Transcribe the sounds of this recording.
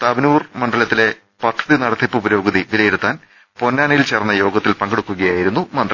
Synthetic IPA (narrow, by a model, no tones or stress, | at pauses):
t̪ɐbɐnuːrmɐɳɖɐlɐt̪ːile̞ | pɐt̪ʰːɐðinɐɽɐt̪ʰːipːubɐɾo̞ːɡɐðiʋilɐjeɽut̪ːaːn | po̞nːaːnɐjilt͡ɕerɐnːɐjo̞ːɡɐt̪ːilpɐŋɡeɽukːuɣɐjaːjiɾunːumɐnd̪r